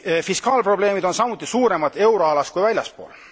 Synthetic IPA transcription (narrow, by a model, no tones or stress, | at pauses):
fiskɑːlpro̞ble̞ːmid̪o̞nsɑmut̪ːˑisuːɾe̞mɑt̪ːˑe̞wɾoɑlɑst̪kujvælʲjɑspo̞̰ːl